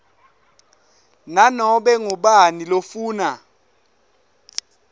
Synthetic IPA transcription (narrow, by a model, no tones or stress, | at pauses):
nanɔɓɛŋɔɓanilofuːna